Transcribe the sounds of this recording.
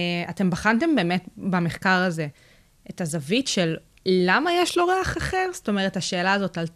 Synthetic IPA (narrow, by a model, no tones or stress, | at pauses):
ate̞mbaχante̞mbe̞ːme̞tbameχkaʁaze̞ | etazavitʃelː | amajeʃlo̞ʁeaχaχe̞ʁsto̞me̞ʁ̞etaʃe̞ːlaːzo̞talt